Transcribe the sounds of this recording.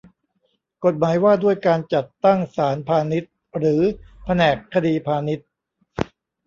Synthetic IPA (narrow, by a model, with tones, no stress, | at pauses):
ko˨˩t̪̚maː˩˦jwaː˥˩du˥˩əjkaː˧nt͡ɕa˨˩t̪ːa˥˩ŋsaː˩˦npʰaː˧ni˦˥t̪̚ | ɾɯː˩˦pʰa˧nɛː˨˩kʰːa˧diː˧pʰaː˧ni˦˥t̪̚